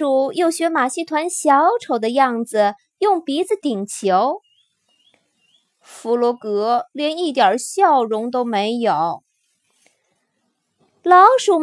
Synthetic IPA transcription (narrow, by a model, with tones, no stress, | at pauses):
u˨˩jo˥˩ʊɕɥɛ˧˥ma˨˩ɕi˥˩t̪ʰwa˧˥nɕjɑ˧˥ʊʈ͡ʂʰo˨˩ʊd̪ə˦jɑ˥˩ŋd͡zɹ̩˨˩ | jʊ˥˩ŋpi˧˥t͡s̩˧˥t̪i˨˩ŋt͡ɕʰjo˧˥ʊ | fu˧˥lwɔ˧˥kɤ˧˥ljɛ˧˥ni˥˩t̪̬jɑ˞˨˩ɕjɑ˥˩ʊɻʊ˧˥ŋt̪̬o˥ʊme˧˥ɪjo˨˩˦ʊ | lɑ˧˥ʊʂu˨˩